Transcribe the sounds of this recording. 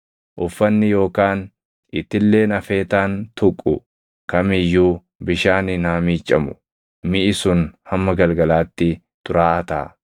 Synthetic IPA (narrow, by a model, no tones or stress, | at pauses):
ʔʊfːɐnːɪjo̞ːkaːn | ɪt̪ːɪlːe̞ːnɐfe̞ːt̪aːnt̪ʊkʼːʊ̰ | kɐmɪjːuː | bɪʃaːnɪnaːmiːt͡ʃʼːɐmʊ̥ | mɪʔɪsʊnhɐmːɐɡɐlɡɐlaːt̪ːɪ | t̪ʊɾaːɐt̪a̰ː